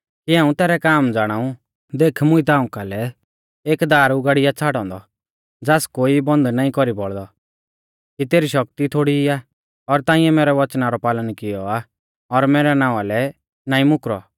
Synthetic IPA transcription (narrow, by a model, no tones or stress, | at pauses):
kiãːũt̪ɛːɾɛkaːmd͡zaːɽ̃aːũ | d̪eːkʰmʊ̃it̪aːʊ̃kalɛ | eːkd̪aːɾʊɡaːɽɪjat͡sʰaːɽɔ̃ːnd̪ɔ | d͡zaːskoːibɔ̃nd̪naːĩkɔɾibɔɭd̪ɔ | kit̪eːɾiʃɔk̚t̪it̪ʰoːɽia | ɔɾt̪ãːĩɛmɛːɾɛʋɐt͡ʃnaɾɔpaːlənkɪjɔa | ɔɾmɛːɾɛnãːalɛ | naːĩmʊkɾɔ̰